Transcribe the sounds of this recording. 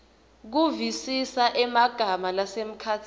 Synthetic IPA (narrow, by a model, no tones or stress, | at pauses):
k̬uvisisaʔɛmaɡ̥ʱamalasem̩kʰaːtʰi